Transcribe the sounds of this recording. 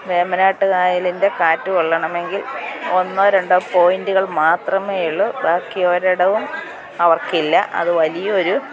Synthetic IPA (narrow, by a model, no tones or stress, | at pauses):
ʋemɐnaːʈːɨkaːjɐlinde̞kaːtːuʋɐɭːɐɳɐme̞ŋɡilo̞nːɐɾeɳɖopo̞ːjinduɣɐɭmaːt̪rɐmeːjuɭːubaːkːijo̞ːɾɐɽɐʋum | ɐʋɐrkilːɐ̰ʔɐ̰ðɨʋɐlijɐo̞ɾu